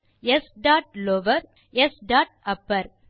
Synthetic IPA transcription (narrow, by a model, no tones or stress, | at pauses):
esɖaːʈ̚loʋɐɾ | ɛsɖaːʈ̚ɐpːɐɾ